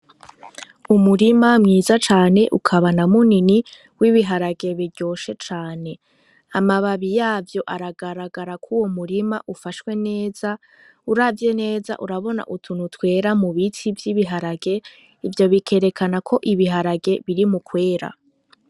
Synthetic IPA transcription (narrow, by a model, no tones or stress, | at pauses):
umuɾimamŋiːzat͡ʃaːne̞ʔṵkʰaβanamunini | wiβiɦaɾaɡe̞βiɟo̞ːʃe̞t͡ʃaːne̞ | amaβaβijaːvjo̞ʔaɾaɡaɾaɡaɾakʰuwo̞muɾimaʔufaʃwe̞ne̞ːz̥a | uɾavje̞ne̞ːza̰ʔuɾaβo̞na̰ʔutʰunutwe̞ːɾamuβitʰivjiβiɦaɾaɡe̞ | ivjo̞βikʰe̞ɾe̞kʰanakʰo̞ʔiβiɦaɾaɡe̞βiɾimukwe̞ːɾa̰